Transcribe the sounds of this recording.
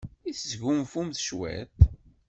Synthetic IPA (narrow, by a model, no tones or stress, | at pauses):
iθzʝumfumθʃwæ̰t̪